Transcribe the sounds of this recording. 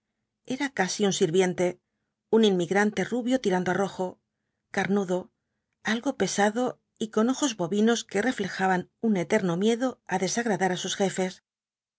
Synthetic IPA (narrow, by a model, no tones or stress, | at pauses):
e̞ɾakasiunsiɾβje̞nt̪e̞ | uninmiɣɾant̪e̞ruβjo̞t̪iɾand̪oaro̞xo̞ | kaɾnuðo̞ | alɣo̞pe̞saðo̞ | iko̞no̞xo̞zβo̞βino̞ske̞re̞fle̞xaβanune̞t̪e̞ɾno̞mje̞ðo̞aðe̞saɣɾaðaɾasusxe̞fe̞s